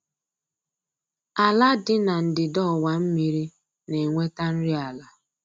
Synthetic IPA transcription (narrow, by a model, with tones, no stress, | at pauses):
a˨la˦dɪ˦na˨n̩˨dɪ˨dɔ˦˨wa˨m̩˦mi˦ɾi˦ | ne˨ŋʷe˦ta˦n̩˦ɾi˦a˨la˦